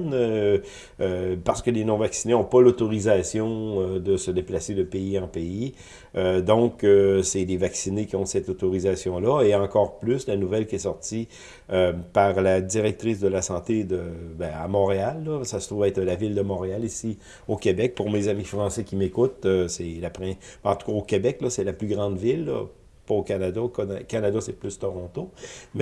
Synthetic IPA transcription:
nø | paʁ̥sə̥kəlenɔ̃vaksineɔ̃pɔlot̪ɔʁizasjɔ̃ød̪əsəd̪eplased̪əpeiɑ̃pei | ød̪ɔ̃køsɛlevaksinekʲiɔ̃sɛt̪ot̪ɔʁizasjɔ̃lʌeɑ̃kɔːʁplyslanuvɛlkʲiɛsɔʁt̪i | øpaʁlad̪iʁɛk̚t̪ʁisd̪əlasɑ̃t̪ed̪əbɛ̃a̰mɔ̃ːʁealːɔsasə̥t̪ʁuvɛt̪əlavɪld̪əmɔ̃ʁealisi | okʲebɛk̚puʁmezamifʁɑ̃ːsɛkʲimekʊt̪øsɛlapʁɛ̃ɑ̃t̪u̥kaokʲebɛklʌsɛlaplyɡʁɑ̃d̪vɪlːɔ̰ | pɔokanad̪aok̪akanad̪asɛplyst̪ɔʁɔ̃t̪omɛ

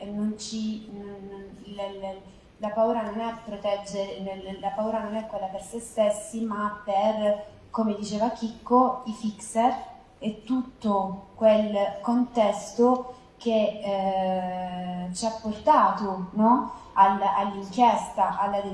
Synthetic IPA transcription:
nːont͡ʃi | ll | lapauːɾanonɛpːɾot̪ɛd͡ʒːeɾlapauːɾanonɛkːwelːapersest̪esːimapːer | komed̪it͡ʃeːvak̟ikːoifiksɛr | et̪ːut̪ːokwelkont̪ɛst̪o | k̟e | t͡ʃiapːort̪aːt̪onɔ | alːalːiŋkjɛst̪aʔalːad̪e

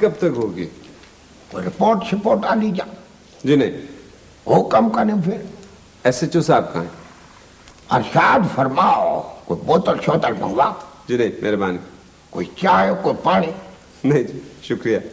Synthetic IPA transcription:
kɐb̚t̪ɐkɦoːɡi | koːiɾɪpoːɾʈsɪpoːɾʈaːlid͡ʒaː | d͡ʒiːnɐɦĩ | ɦoːkɐmkɐnẽpʰɪɾ | ɛːset͡ʃoːsaːb̚ka̰ːẽ | ɐ̰ɾʃaːd̪fɐɾmaːo̰ko̰ːiboːt̪əlʃoːt̪əlbɐ̰̃ŋɡʋaːd͡ʒiːnɐĩmʔḛːɾbaːnik | ko̰ːit͡ʃaːjokoːipaːɽ̃i | nɐɦĩd͡ʒiːʃʊkɾijaː

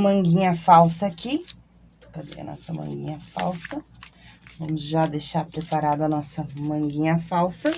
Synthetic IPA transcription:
mɐ̃ŋɡĩɲɐfawsɐki | pɾɐd̪ḛjɐ̰nɔ̰sɐmɐ̰̃ŋɡḭ̃ɲɐfa̰wsɐ | vɐ̃mʊzʒad̪ejʃaɾpɾepaɾad̪ʊɐnɔsɐmɐ̃ɡĩɲɐfawsɐ

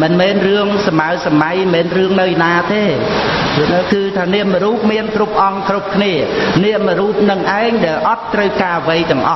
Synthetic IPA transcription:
mɨnmɛːnrɨəŋsamaəsamajmɛːnrɨəŋnɨwjnaːt̪eː | ɨnkɨːt̪ʰaːniəʔməɾuːp̚miənkrup̚ʔɑŋkrup̚kʰniəniəʔməɾuːp̚nɨŋʔaɛŋɗaɛlʔɑt̪ːrəwkaːʋəjt̪ɛ̆əŋʔɑ̰

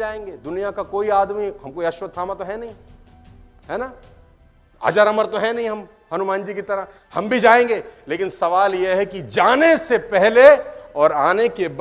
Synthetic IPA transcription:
aːẽːŋɡeːd̪ʊnijakakoːiaːd̪miɦɐmkoːiɐʃʋət̪ʰaːmat̪oɦɛnɐɦĩ | ɦɛːna | a̰ːd͡ʒaɾɐməɾt̪oɦɛnɐɦĩɦɐm | hɐnumãːnd͡ʒikit̪ɐɾa | hɐmbʱid͡ʒaːẽːŋɡeːleːkɪnsɐʋaːljeɦɛkid͡ʒaːnesepɛɦleɔːɾaːnekeb

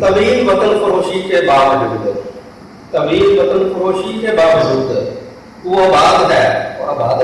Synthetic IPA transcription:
t̪əmiːlʋət̪ənfʰʊɾoːʃiːkeːbaːʋduːd̪ | t̪əmiːlʋət̪ənfəɾoːʃikeːbaːbzuːd̪ | t̪uːɐːbaːd̪ɦɛːoɐbaːd̪

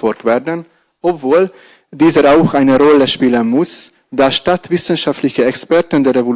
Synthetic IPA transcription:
ɔlk̚tv̥ɛdən | ɔpv̥oːl | diːzəɾaʊxʔaɪnəʁɔləʃpiːlənmʊs | d̥aːʃtatv̥ɪsn̩ʃaftlɪçəɛkspɛɐtəndeːʁevol

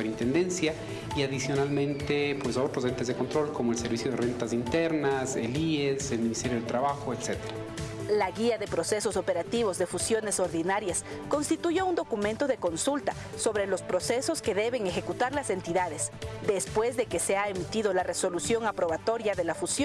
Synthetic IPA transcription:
peɾint̪end̪e̞nsja | iaðisjo̞nalmẽnt̪epwesaot̪ɾos̬ent̪ezðeko̞nt̪ɾo̞lkomoelseɾβisjo̞ðerent̪azint̪eɾnaselieselminist̪eɾjoðet̪ɾaβaxoet̪se̞t̪eɾalaɣiaðe̞pɾo̞se̞so̞so̞pe̞ɾat̪iβo̞zðe̞fusjo̞ne̞so̞ɾðinaɾjas | ko̞nst̪it̪uʝo̞und̪okument̪o̞ðe̞ko̞nsult̪a | so̞βɾe̞lo̞spɾo̞se̞so̞ske̞ðe̞βe̞ŋe̞xe̞kut̪aɾlase̞nt̪iðaðesd̪e̞spwe̞zðe̞keseaemit̪iðo̞lare̞so̞lusjo̞ŋapɾo̞βat̪o̞ɾjaðe̞lafusjon

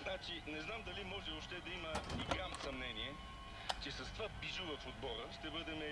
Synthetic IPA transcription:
nat͡ʃinɛznamd̪ɐlimɔʒɛoʃt̪ɛd̪ɐiməiɡamsɐmnɛniɛ | t͡ʃɛsɐst̪vabiʒʊvɐfod̪bɔɾəʃt̪ɛbɤd̪ɛmɛ

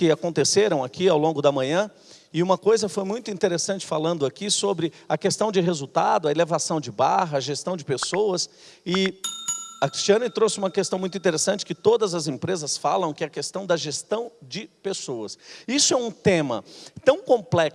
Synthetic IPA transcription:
kɪakõnt̪eseɾɐ̃w̃akiawlõŋɡʊd̪ɐmɐ̃ɲɐ̃ | ɪũmɐkojzɐfojmũj̃t̪ʊĩnt̪eɾesɐ̃nt͡ʃɪ̥falɐ̃nd̪ʊakisobɾɪɐkest̪ɐ̃w̃d͡ʒɪɦezut̪ad̪ʊɐelevasɐ̃w̃d͡ʒɪbaɦɐɐʒest̪ɐ̃w̃d͡ʒɪpesowɐs | ɪ | ɐkɾi̥st͡ʃiɐ̃nɪt̪ɾosɪũmɐkest̪ɐ̃w̃mũjt̪ĩt̪eɾesɐ̃nt͡ʃɪ̥kɪt̪od̪ɐzɐzẽpɾezɐsfa̰lɐ̃w̃kɪɛɐkest̪ɐ̃w̃d̪ɐʒest̪ɐ̃w̃d͡ʒɪpesowɐsisʊɛũt̪ẽmɐ̰t̪ɐ̃w̃kõmplɛks

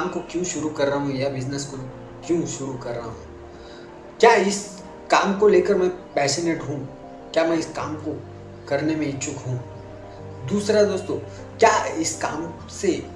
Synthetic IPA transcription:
aːmkokjũːʃʊɾukɐɾːɐɦũjabɪznəsko | kjũːʃʊɾukɐɾːɐɦũː | kjaːɪs | kaːmkoleːkəɾmɛ̃pɛːsəneːʈɦũ | kjaːmɛ̃ɪskaːmko | kɐɾnemẽt͡ʃʰʊkɦũː | d̪uːsɾad̪oːst̪õː | kjaːɪska̰ːm | se

